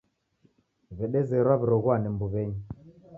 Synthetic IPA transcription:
βɛɗɛzɛɾwaβiɾɔɣwanɛmbuβɛɲi

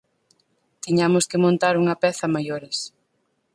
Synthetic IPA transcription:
t̪iɲamʊskɪmõnt̪aɾuŋɐpɛθɐmajoɾɪs

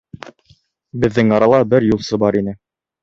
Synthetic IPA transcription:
bɘ̆ðːɘŋɑɾɑlˠɑbɘɾjulˠsɤbɑɾinɘ

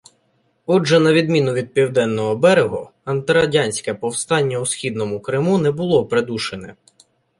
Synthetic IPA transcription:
ɔd͡ʒʒɛnɐʋʲid̪mʲin̪ʊʋʲid̪̚pʲiwd̪ɛnːɔɦɔbɛɾeɦɔ | ɐnt̪ɪɾɐdʲɑnʲsʲkɛpɔwst̪ɑnʲːɐʊsxʲid̪nɔmʊkɾɪmunɛbʊlˠɔpɾed̪uʃenɛ

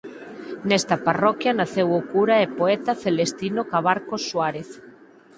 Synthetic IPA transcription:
nɛst̪aparɔkjanaθewʊkuɾaepoet̪aθelest̪inokaβaɾkosːwaɾeθ

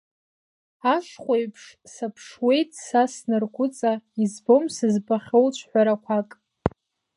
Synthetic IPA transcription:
aʂχʷejpʰʂ | sapʰʂwe̞jtʼsasnɨrɡʷʰʊt͡sʼaizbo̞msɨzbaχʲowt͡ɕʷʰħᶣʷaɾakʷʰakʼ

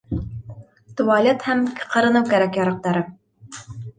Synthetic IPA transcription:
t̪vɑlʲet̪hæmqɤ̆ɾɤ̆nɤwkæɾækjɑɾɑq̚t̪ɑɾɤ

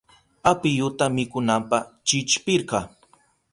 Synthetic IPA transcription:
apɪjʊt̪amɪkʊnampɑt͡ʃɪt͡ʃpɪɾɢɑ

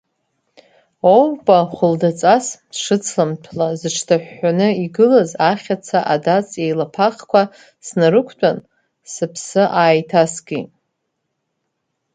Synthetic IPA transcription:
owpʼaχʷʊldat͡sʼasʂɨt͡sʰlamtʷʰlazɨʈ͡ʂʰtʰaħːanɨiɡɨlazaχʲat͡sʰaʔadat͡sʼejlapʰaχkʷʰa | snaɾɨkʷʰtʼan | sɨpʰsɨʔaːjtʰasɡʲḭ

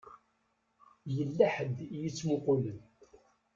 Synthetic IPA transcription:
jəlːaħəd̪jət͡sːmʊqʊlən

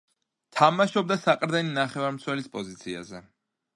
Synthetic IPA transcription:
t̪ʰamaʃɔb̚d̪asaqʼɾd̪ɛninaχɛvaɾmt̪sʰwɛlispʼɔzit̪sʰia̰zɛ

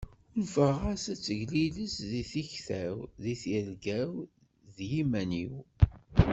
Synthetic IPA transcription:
ʊɾvəʁasæt͡sːəʝliləsðiθiçθæwðiθiɾɡæw | ðjimæniw

